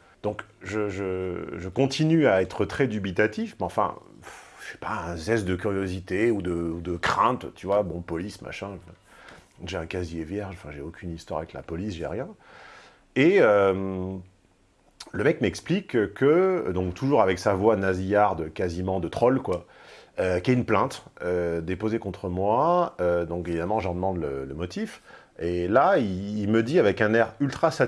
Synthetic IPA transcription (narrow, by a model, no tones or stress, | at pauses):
d̪̥ɔ̃kʒəʒəʒəkɔ̃t̪inyaɛt̪χət̪χɛd̪ybit̪at̪ifmɑ̃fɛ̰̃ | fʒ̥ɛ̥paɛ̃zɛsd̪əkʲyʁjozit̪eud̪əud̪əkχɛ̃t̪t̪ʰyvwabɔ̃pɔlisma̰ʃɛ̃ | ʒeɛ̃kazijevjɛʁʒɑ̃fɛ̃ʒeokʲʰynist̪wa̰ʁavɛkla̰pɔlisʒɛ̰ʁjɛ̃ | eøm | ləmɛkmɛksplikkʰəd̪ɔ̃kt̪ʰuʒuʁavɛksavwanazijaʁd̪əkazimɑ̃d̪ət̪χɔlkwa | økjaynplɛ̃t̪ød̪epozekɔ̃t̪χəmwaød̪ɔ̃kevid̪amɑ̃ʒɑ̃d̪əmɑ̃d̪lələmɔt̪if | elaiːlməd̪iavɛkɛ̃nɛʁylt̪χasa